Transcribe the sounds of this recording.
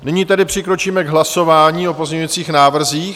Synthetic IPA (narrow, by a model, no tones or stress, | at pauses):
nɪɲiːt̪ɛdɪpr̝̥ɪkɾo̞t͡ʃiːmɛɡɦlaso̞vaːɲiːo̞po̞zɲɲuvit͡siːxnaːvr̩ziːx